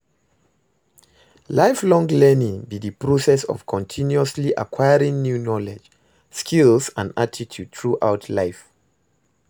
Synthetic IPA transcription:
laɪflɔ̃ŋlɛnĩŋbiðəpɹosɛsɔ̰v̥kʰɔ̃ntʰĩnjuəsliʔa̰kʰwaɪəɹĩŋnjunɔlɛd͡ʒ | skʰilzə̃ndatʰitʰjud̚tʰɹuʔaʊtʰlaɪf

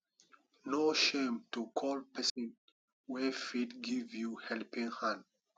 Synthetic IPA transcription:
noʃẽmtukʰɔlpɛsɔ̃n | wɛfidɡivjuhɛlpĩŋhãnd

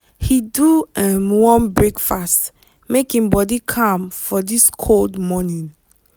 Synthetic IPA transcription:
hiduɛmwɔ̃nbɹekfast | mekĩŋbɔdikʰãmfɔdiskʰoldmɔnĩn

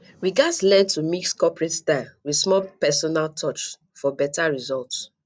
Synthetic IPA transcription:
ɹiɡadslɛ̃ntʰumikskɔpɹetstaɪwismɔlpɛsɔnaltʰɔt͡ʃ | fɔbɛtaɹizɔlts

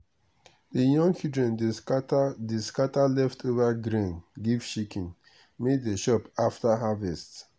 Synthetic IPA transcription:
dijɔ̃ŋɡt͡ʃidɹɛ̃n | deskatalɛftʰovaɡɾĩnɡivʃikʰĩn | meddeʃɔpaftaɦavɛst

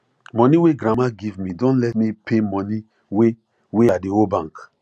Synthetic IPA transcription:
mɔniweɡɾamaɡivmidɔ̃nlɛtmipʰemɔ̃ni | we | weadeobãŋk

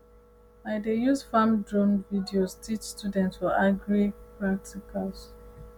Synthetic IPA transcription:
baɪdejuzfãmdɹɔ̃nvidioztʰit͡ʃstjudɛ̃ntswilaɡɹipɹak̚tʰikʰals

